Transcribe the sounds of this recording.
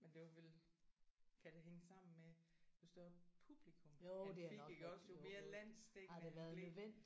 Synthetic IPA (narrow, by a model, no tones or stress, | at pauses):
mend̥e̝ʋɑʋel | kʰæd̥eɦeŋəsɑ̈m̰n̩med̥osd̥ɔpʰub̥likʰɔ̽mmjod̥e̝æinɒ̽ɡ̥ɡ̥ɒ̽sjome̝ːɐlæn̰sd̥eɡ̥hɑ̈d̥e̝ʋæɐðˠnøʋen̰d̥i